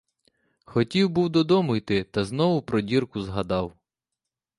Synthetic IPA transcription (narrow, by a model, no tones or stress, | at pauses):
xɔtʲiwbuwd̪ɔd̪ɔmʊjt̪ɪt̪ɐzn̪ɔʋʊpɾɔdʲirkʊzɦɐd̪ɑw